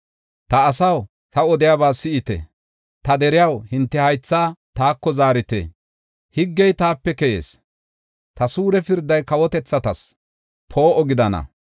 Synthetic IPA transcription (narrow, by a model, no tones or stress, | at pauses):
t̪ɐːsɐw | t̪ɐɔd̪ɪjaːβaːsɪɪt̪ɛ̰ | t̪ɐd̪ɛɾɪjɐwhɪnt̪ːɛhɐjt͡sːaːt̪aːkːɔzaːɾɪt̪ḛ | hɪɡːɛjt̪aːpːɛkɛjḛːs | t̪ɐsuːɾɛfɪɾd̪ɐjkɐwɔt̪ɛt͡sːɐt̪ɐs | pʰoːʔɔɡɪd̪ɐnɐ̰